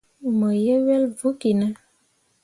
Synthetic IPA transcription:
mə˨je˦wɛ˦lvu˦ki˨nə˦

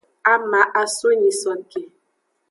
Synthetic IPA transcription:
a˦ma˨˦ʔa˨so˦ɲi˨sɔ˨nke˨

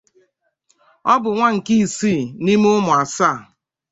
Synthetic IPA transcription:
ɔ˦bʊ˨ŋʷa˦ŋ̩˨ki˦i˨siː˦˨ni˦m˦ʊ˦mʊ˨a˨sa˦˨

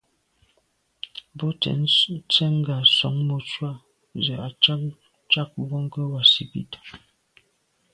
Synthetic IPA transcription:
bo˦tɛ̰˨n˦t͡sɛ˦ŋ̩˦ɡa˨sɔ̰˨˦ŋmo˨t͡ʃwa˦ | zɛ˨a˨t͡ʃa˦ | t͡ʃa˦k̚bɔ˦ŋ˦kə˦wa˨sḭ˨bḭ˦ta˨

